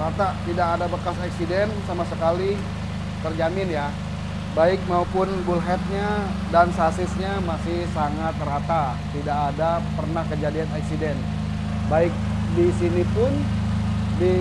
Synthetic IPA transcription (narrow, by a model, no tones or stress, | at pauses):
ɾat̪at̪idakadabəkasaksidɛnsamasəkali | t̪ərd͡ʒamɪnja | baɪk̚maupʊnbulɦɛt̪̚ɲa | dansasɪsɲamasɪhsaŋat̪ːɾat̪a | t̪idakadapərnahkəd͡ʒadianaksidɛn | baɪk̚ | disinipʊn | di